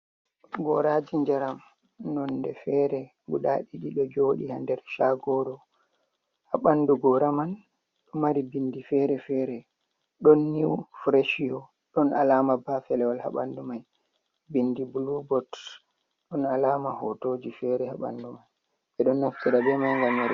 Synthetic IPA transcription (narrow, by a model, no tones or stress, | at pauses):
ɡɔɾad͡ʒiɲd͡ʒaɾam | nɔndɛfɛɾɛ | ɡṵɗaɗiɗiɗɔd͡ʒoːɗihandɛɾʃaɡɔɾɔ | haɓanduɡɔɾaman | ɗɔmaɾibindifɛɾɛfɛɾɛ | ɗɔnːiwfɾeʃiɔ | ɗɔnalaːmabafɛlɛwɔlha̰ɓa̰ndumaj | bindibulubɔt | ɗɔnalaːmahɔtod͡ʒifɛɾɛhaɓa̰ndumaj | ɓɛɗɔnːaftiɾabɛmajŋɡamːaɾi